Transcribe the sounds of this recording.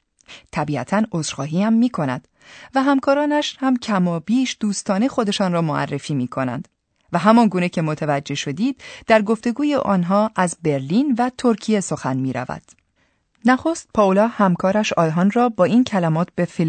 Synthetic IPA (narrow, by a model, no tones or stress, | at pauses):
t̪ʰæbiːæ̰t̪ʰænoːzɾxɒːɦiːhæmːiːkʰo̞næ̰d̪̥ | væɦæmkʰɒːɾɒːnæʃhæmcʰæmɒːbiːʃd̪̥uːst̪ɒːne̞xo̞d̪e̞ʃɒːnrɒːmoæ̰rːefiːmiːkʰo̞næ̰nd̪̥ | væɦæmɒːnɡuːnecʰe̞mot̪ʰævæd͡ʒːe̞ʃo̞d̪iːd̪̥d̪æɾɡo̞ft̪e̞ɡuːjeʔɒːnɦɒːʔæzbe̞ɾliːnvæt̪ʰo̞ɾcʰije̞so̞xænmiːɾæ̰væ̰d̪̥ | næxo̞st̪̚pʰɒːolɒːhæmkʰɒːɾæʃɒːjɦɒːnrɒːbɒːiːncʰælæmɒːt̪ʰbe̞fil